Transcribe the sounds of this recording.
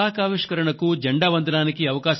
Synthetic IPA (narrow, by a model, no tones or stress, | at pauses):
aːkaːʋiʂkɐɾɐɳɐkud͡ʒɐɳɖaːʋɐnd̪ʱɐnaːnikiɐʋɐkaːʃ